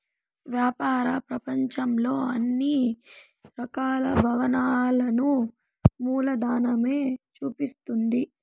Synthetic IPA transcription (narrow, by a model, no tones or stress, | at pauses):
ʋjaːpaːɾɐpɾɐpɐɲt͡ʃɐmlo̞ːɐnːi | ɾɐkaːlɐbʱɐʋɐnaːlɐnu | muːlɐd̪aːnɐme̞ːt͡ʃuːpist̪und̪i